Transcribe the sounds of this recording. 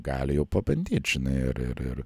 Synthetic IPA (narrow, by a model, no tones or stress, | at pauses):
ɡɑːlʲɪjɛʊpɐbʲɐnʲd̪ʲeːt̪ʲʒ̥ʲɪnɐɪɐ̰ɾɪ̰ɾɪ̰ɾ